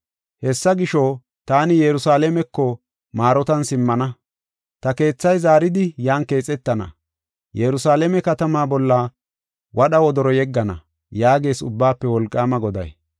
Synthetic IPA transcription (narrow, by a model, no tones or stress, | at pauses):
hɛsːɐɡɪʃɔ | t̪aːnɪjɛɾʊsaːlɛmɛkːɔ | maːɾɔt̪ɐnsɪmːɐnɐ | t̪ɐke̞ːt͡sːɐjzaːɾɪd̪ɪjaːnke̞ːt͡sʼːɛt̪ːɐnɐ̰ | jɛɾʊsaːlɛmɛkɐt̪ɐmaːbɔlːɐ | wɐɗɐwɔd̪ɔɾɔjɛɡːɐnɐ̰ | jaːɡe̞ːsʊbːaːpːɛwɔlkʼːaːmɐɡɔd̪ɐ̰j